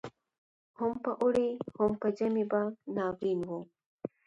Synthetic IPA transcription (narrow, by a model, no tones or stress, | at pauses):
hʊmpəʔʊɽihʊmpəd͡ʒɐmibanɑːwinwo